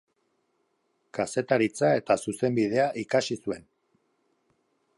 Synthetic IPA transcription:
kase̞t̪aɾit͡sae̞t̪asuse̞mbið̞e̞aʔikasisue̞n

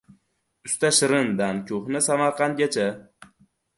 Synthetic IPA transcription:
ʊst̪aʃɪɾɪnd̪ankʲʰʊχnɪsamaɾqɑnɡʲat͡ʃʰa

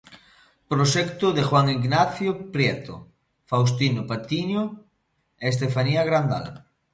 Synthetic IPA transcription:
pɾoʃɛkt̪ʊðexwaŋiɡnaθjopɾjɛt̪o̰ | faws̬t̪inopat̪iɲo | es̬t̪efaniaɣɾand̪a̰l

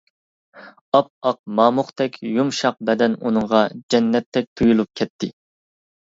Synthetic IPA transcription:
ɑp̚ɑq̚mɑːmʊχt̪ʰɛkʲʰjumʃɑq̚bɛd̪ɛnunɨɴʁɑd͡ʒɛnːɛt̪ʰːɛk̚ʲt̪ʰujulˠup̚kʲʰɛt̪ʰːɪ

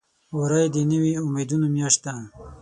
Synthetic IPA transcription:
oɾajd̪iniwiumed̪unomjaʂt̪a

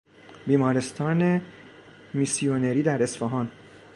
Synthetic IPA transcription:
biːmɒːɾe̞st̪ʰɒːne | misioneɾiːd̪æɾe̞sfeɦɒːn

